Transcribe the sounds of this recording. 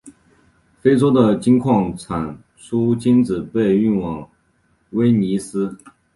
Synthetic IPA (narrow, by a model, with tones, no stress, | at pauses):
fe˥ɪʈ͡ʂo˥ʊd̪ə˨t͡ɕi˥ŋkʰwɑ˥˩ŋt͡sʰa˨˩n | ʂʰu˥t͡ɕi˥nt͡sɹ̩˨˩pe˥˧ɪy˥˩nwɑ˨˩ŋ | we˥ɪni˧˥sɹ̩˥